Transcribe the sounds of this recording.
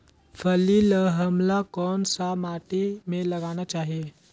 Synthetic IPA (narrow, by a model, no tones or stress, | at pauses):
fəliləɦəmlakɔnsamaʈimeləɡaɽ̃at͡ɕaɦe